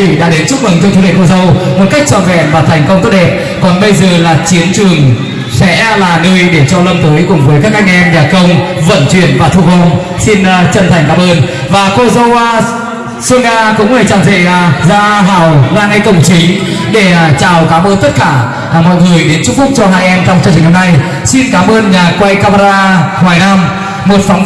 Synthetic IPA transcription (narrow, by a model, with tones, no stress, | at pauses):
i˧˩ɗa̰ː˧˥ɗe˨˦nt͡ɕʊ˦˥k͡p̚mɨ˨˩ŋt͡ɕɔ˧t̪ʰu˨˧˦ɗḛ˨˧˨ŋko˧zə˧wmo˨˩t̚ka˦˥jk̚t͡ɕɔ˧˩vɛ̰˧˩mvaː˨˩t̪ʰɛ˨˩jŋ̟kə˧wŋ͡mt̪ə˦˥t̚ɗɛ˨˩t̚ | kɔ˨˩nɓə˧jzəː˨˩laː˨˩t͡ɕi˨˦ənt͡ɕɨ˨˩əŋ | sɛ̰˧˥laː˨˩ŋə˧əjɗe˧˩t͡ɕɔ˧lə˧mt̪əː˨˦jkʊ˧˩ŋ͡mvəː˨˦jkaː˦˥k̚ʔa˧jŋ̟ʔɛ˧mɲaː˨˩kə˧wŋ͡mvə̰˧˨nt͡ɕwḭ˧˩ənvaː˨˩t̪ʰu˧ɣə˧wŋ͡m | si˧n˨t͡ɕə˧˩nt̪ʰa˨˩ŋ̟kaː˨˦mʔəː˧n | vaː˨˩ko˧zə˧w | sɨ˧ŋaː˧kʊ̰˧˥ŋ͡mlaː˧˩jt͡ɕaː˨˩wt̪ʰḛ˧˩jzaː˧ɦaː˧˩wlaː˧nha˧jkə˨˧˩wŋ͡mt͡ɕi˨˦ŋ̟ɗe˧˩t͡ɕaː˨˩wkaː˨˦mʔəː˧nt̪ə˦˥t̚kaː˧˩˨ | mɔ̰˧˨jŋɨ˨˩əjɗe˨˦nt͡ɕʊ˧˥ŋ͡mku˦˥ək̚t͡ɕɔ˧ɦaː˧jʔɛ˧mt͡ɕɔ˧wŋ͡mt͡ɕɨ˧t͡ɕ̟na˧mna˧j | si˧nkaː˨˦mʔəː˧nɲaː˨˩kwa˧jkaː˧maː˧aː˧haː˨˩jna˧m | mo˨˩t̚fa˨˦